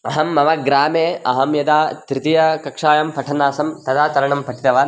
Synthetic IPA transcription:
ɐɦɐmːɐʋɐɡɾaːmeːɐɦɐmjɐd̪aːt̪ɾɪt̪ijɐkɐkʂaːjɐmpʰɐʈʰɐnaːsɐmt̪ɐd̪aːt̪ɐɾɐɳɐmpʰɐʈʰit̪ɐʋaː

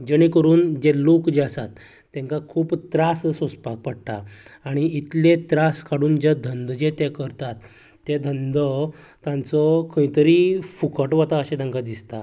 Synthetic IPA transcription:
d͡ʑəɽ̃ikəɾuːnd͡ʑelokd͡ʑeasat̪ː | ẽŋkakʰuːpt̪ɾassospak̚pəɽʈ̪a̰aɽ̃iit̪lẽt̪ɾaskʰaɽuːnd͡ʑed̪ʱənd̪d͡ʑet̪ekəɾt̪at̪ː | ed̪ʱənd̪ə | t̪ãnt͡sɔkʰəĩt̪əɾiːfukəʈʋat̪aəɕɛ̃t̪ãŋkad̪ist̪a̰

